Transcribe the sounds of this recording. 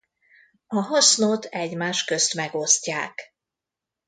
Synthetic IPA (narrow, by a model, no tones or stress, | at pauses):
ɒɦɒsnot̪ʰɛɟmaːʃkø̞st̪mɛɡo̞sca̰ːk